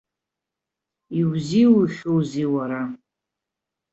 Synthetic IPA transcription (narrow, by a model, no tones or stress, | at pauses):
iwziwuʃowziwaɾa